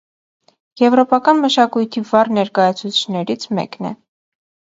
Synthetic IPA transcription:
jɛvɾɔpɑkɑnməʃɑkujt̪ʰivɑrnɛɾkɑjɑt͡sʰut͡sʰi̥t͡ʃʰnɛɾit͡sʰmɛ̰knɛ̰

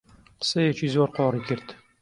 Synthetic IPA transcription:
sɛjɛt͡ʃiːzoːɾqɔːrikɪɾt̪

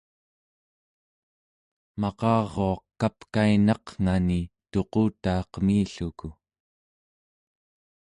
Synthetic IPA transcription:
mɑqɑːʁo̞ɑqkːapkainɑqŋ̥anit̪o̞quːt̪aːqmiːɬuku

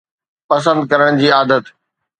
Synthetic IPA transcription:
pɐs̬ə̃nd̪̚kɐɾəɽ̃d͡ʑiːaːd̪ət̪

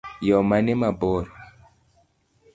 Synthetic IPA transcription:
jɔmanemabɔɾ

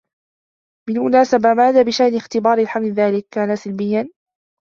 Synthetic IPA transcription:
mɪnmʊnaːsabamaːðaːbɪʃaʔnɪxt̪ɪbɑːɾˤɪlħamlɪðaːlɪkːaːnasalbɪjːan

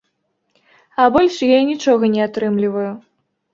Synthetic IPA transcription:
abɔlʲʂjajinʲit͡ʂɔɣɐnʲɛat̪ɾɨmlʲivɐju

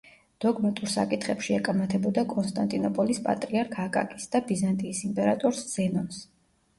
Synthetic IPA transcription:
d̪̥ɔɡmat̪ʼuɾsa̰kʼit̪ʰχɛpʃiɛkʼamat̪ʰɛbɔd̪akʼɔnst̪ʼant̪ʼinɔpʼɔlispʼa̰t̪ʼɾiaɾkʰakʼa̰kʼisd̪̥abizant̪ʼiːsimpʼɛɾat̪ʼɔɾsz̥ɛnɔns

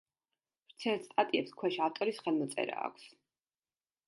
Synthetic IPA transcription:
ɾt̪sʰɛɾt̪st̪ʼat̪ʼiɛpskʰwɛʃaft̪ʼɔɾisχɛlˠmɔt̪sʼɛ̰ɾa̰ːkʷʰs

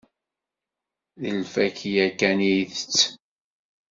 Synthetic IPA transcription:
ðəlfækjækːæniθət͡sː

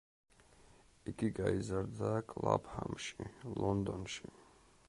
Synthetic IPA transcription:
iɡiɡaizaɾd̪akʼlˠabhamʃilɔnd̪ɔnʃi

